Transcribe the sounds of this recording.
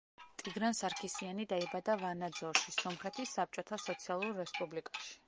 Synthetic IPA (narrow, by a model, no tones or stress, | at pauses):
t̪ʼiɡɾansaɾkʰisianid̪aibad̪avanad̪zɔɾʃisɔmχɾɛt̪ʰisːap̚t͡ʃʼɔt̪ʰasɔt̪sʰialˠuɾːɛspʼublikʼaʃi̥